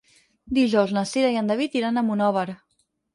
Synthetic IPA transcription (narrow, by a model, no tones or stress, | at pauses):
d̪iʒɔwznəsiɾaiənd̪əβit̪iɾanəmunɔβəɾ